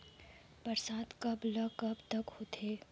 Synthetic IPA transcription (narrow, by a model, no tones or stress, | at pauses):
pɐɾsaːt̪kɐblɐkɐbt̪ɐkhoːt̪ʰeː